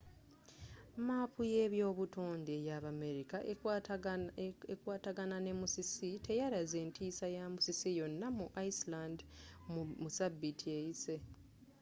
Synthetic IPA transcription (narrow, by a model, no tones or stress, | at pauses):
maːpʰuje̞βjo̞ːβutoːndejaβame̞ɾikaʔ | ekwaːtaɡanane̞musisite̞jaɾaze̞ːntʰiːsajamusisijo̞nːamuʔaislandmmusabːitʰie̞jise̞